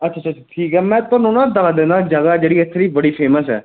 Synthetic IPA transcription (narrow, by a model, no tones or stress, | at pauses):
ətːt͡ʃʰaːt͡ʃʰaːt͡ʃaʈʰiːkɦɛːmɛ̃ːt̪onʊnãd̪aʋad̪ẽnd̪aːd͡ʒəɡaːd͡ʒeːɽiːɪt̪ʰːɾiːbəɽiːpʰeːməsɛ̰ː